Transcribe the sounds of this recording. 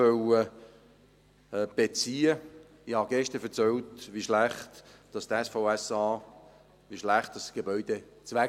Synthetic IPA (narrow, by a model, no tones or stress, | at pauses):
œwə | b̥et͡siːə | ihɑɡ̥ɛʃtəfɛt͡sɛltʋiʃlæχtd̥ɑst̪ɛsfoʊɛsɑː | ʋiʃlæχt̚d̥ɑsɡ̥ebœʏd̥et͡sʋæ